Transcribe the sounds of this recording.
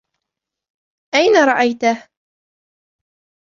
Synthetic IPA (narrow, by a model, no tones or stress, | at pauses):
ʔajnaɾˤɑʔajt̪ah